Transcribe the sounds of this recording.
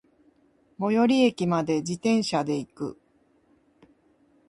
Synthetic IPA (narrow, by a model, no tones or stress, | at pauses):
mo̞jo̞ɾʲie̞kʲimad̪e̞d͡ʑit̪ẽ̞ɰ̃ɕad̪e̞ikɯ̟̰